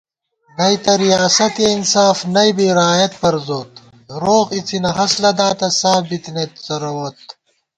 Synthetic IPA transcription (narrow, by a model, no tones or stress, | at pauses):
ɡɐjt̪ɐɾijaːsɐt̪einsaːfnɐjbiɾaːjɐt̪̚pɐɾzoːt̪ | ɾoːqit͡sʰinɐɦɐslɐd̪aːt̪ɐsaːbit̪net̪zɐɾowɐt̪